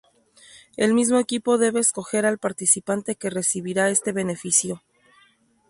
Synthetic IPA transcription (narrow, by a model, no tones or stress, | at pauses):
e̞lmizmo̞e̞kipo̞ðe̞βe̞ːsko̞xe̞ɾalpaɾt̪isipant̪e̞ke̞re̞siβiɾae̞st̪e̞βe̞ne̞fisjo̞